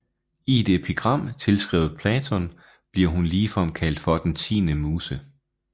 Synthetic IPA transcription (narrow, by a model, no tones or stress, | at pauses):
id̥epʰiɡ̥ʁɑ̈m̰t͡sʰe̝lsɡ̥ʁɛ̰ːʊð̩ˠpʰlɛːt͡sʰɔ̽n | b̥liɐ̰ɦunliːfɒm̰kʰæl̰d̥fɒ̽d̥ent͡sʰḭːnəmuːsə